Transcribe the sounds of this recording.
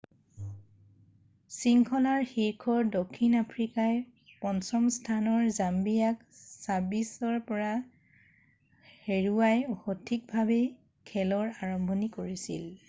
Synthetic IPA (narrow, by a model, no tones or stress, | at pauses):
siŋkʰɔlaɹxiɹkʰɔɹdokʰːinapʰɹikaj | pɔnsɔmstʰanɔɹzambijak̚sabisɔɹpɔɹa | heɹuajhotʰik̚bʱabe | kʰɛlɔɹaɹɔmbʱɔnikoɹisḭl